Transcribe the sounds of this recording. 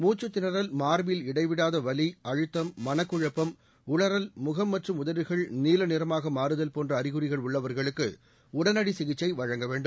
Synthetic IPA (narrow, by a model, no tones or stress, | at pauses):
muːt͡ʃːɯt̪ːɪnɐɾɐlmaːɾʋɪlɪɽɐɪʋɪɽaːðɐʋɐliɐɻɯt̪ːɐmːɐnɐkːɯɻɐpːɐm | ʊɭɐɾɐlmʊɣɐmːɐʈrɯmʊðɐʋɪɣɐɭniːlɐnɪɾɐmaːɣɐmaːɾɯðɐlpoːndrɐːɾɪɣɯɾɪɣɐɭʊɭːɐʋɐɾɣɐɭɯkːɯ̰ | ʊɽɐnɐɽisɪɣɪt͡ʃːɐɪʋɐɻɐŋɡɐʋeːɳɖɯm